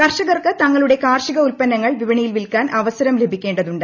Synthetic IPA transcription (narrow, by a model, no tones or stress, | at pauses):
kɐrʂɐɣɐrkɨt̪ɐŋːɐɭuɽe̞kaːrʂiɣɐulpɐnːɐŋːɐɭʋiʋɐɳijilʋilkaːnʔɐʋɐsɐɾɐmle̞bʱikʲːe̞ːɳɖɐðuɳɖɨ